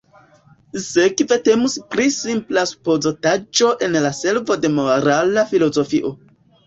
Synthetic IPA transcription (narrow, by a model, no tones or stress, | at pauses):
sekve̞te̞muspɾisimplasu̥pozotad͡ʒo̞ʔe̞nlase̞ɾvo̞de̞mo̞ɾalafilo̞zo̞fiʔo̞